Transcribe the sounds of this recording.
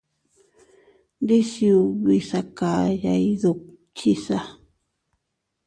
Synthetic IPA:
nɾi˦si˧u˧βi˧sa˧ka˨ja˧i˧ðu˧ | t͡ʃi˦sa˦

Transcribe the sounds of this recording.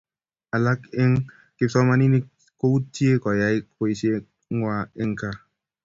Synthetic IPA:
a˨la˦ke˦ŋ | kɪ˦sɔ˦ma˦ni˦ni˦ | ko˦u˦tje˦kɔ˨ja˨˦i˦e˦i˦se˦ | ŋwa˦e˦ŋ˦ka˨

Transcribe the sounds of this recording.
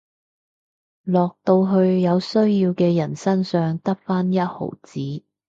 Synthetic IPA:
lɔː˨k̚t̪o˧wɦɵ˧ɥjɐ˨˧wsɵ˥ɥjiː˧wkɛː˧jɐ˨˩nsɐ˥nsœː˨˧ŋt̪ɐ˥k̚faː˥njɐ˥t̚ho̰˨˩wt͡siː˨˥

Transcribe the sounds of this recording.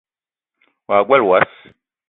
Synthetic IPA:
wa˨kwɛ˦lwa˦s

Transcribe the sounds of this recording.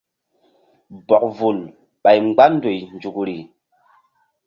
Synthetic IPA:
bɔ˨k̚vu˨l | ɓa˨jŋ͡mɡ͡ba˦n˦do˨jnd͡ʒu˨kɾi˨

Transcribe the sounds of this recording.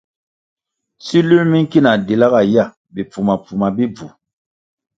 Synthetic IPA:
si˦lu˦ɾmi˦nki˦na˨de˨la˦ɣa˨ja˦˨ | be˨pu˨ma˨pu˨ma˨bi˦b͡vu˨

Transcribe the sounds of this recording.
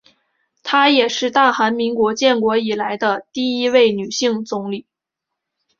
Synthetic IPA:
t̪ʰa˥jɛ˨˩ʂɻ̩˥˧t̪a˥˩xa˧˥nmi˧˥ŋkwɔ˧˥t͡ɕjɛ˥˩nkwɔ˧˥i˨˩la˧˥ɪd̪ə˧t̪i˥˩i˥we˥˩ɪny˨˩ɕi˥˩ŋt͡sʊ˧˥ŋli˨˩˦

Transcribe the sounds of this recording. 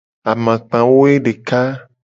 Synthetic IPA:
a˨mã˨k͡pã˨wo˦e˦ɖe˨ka˦

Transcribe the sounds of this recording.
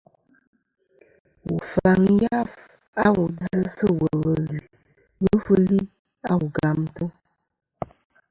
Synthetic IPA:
wu˨fa˨ŋja˦f | a˦wu˨d͡zɨ˦sə˦wə˨wə˨li˨ | wə˦fə˦li˦ | a˦wu˨ɡa˨mtə˦

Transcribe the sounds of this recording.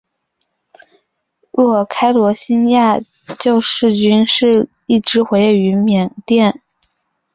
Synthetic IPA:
ɻu˧˥˩kʰa˥ɪlwɔ˧˥ɕi˥nja˥˧ | t͡ɕjo˥˧ʊʂɻ̩˥˩t͡ɕy˥nʂɻ̩˥˩ | i˥˩ʈ͡ʂɻ̩˧˥xwe˧˥ɪly˧˥mjɛ˨˩ŋt̪jɛ˥˩n

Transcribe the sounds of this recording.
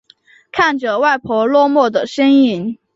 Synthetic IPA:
kʰa˥˩nʈ͡ʂɤ˩wa˥˩ɪpʰɔ˧˥lwɔ˥˧mwɔ˥˩d̪ə˩ʂə˥ni˧˥n

